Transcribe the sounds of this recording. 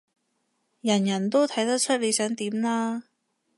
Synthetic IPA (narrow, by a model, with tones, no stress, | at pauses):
jɐ˨˩njɐ˨˩nt̪o˥wt̪ʰɐ˨˥jt̪ɐ˥k̚t͡ʃʰɵ˥t̚le˨˧jsœː˨˥ŋt̪iː˨˥mlaː˥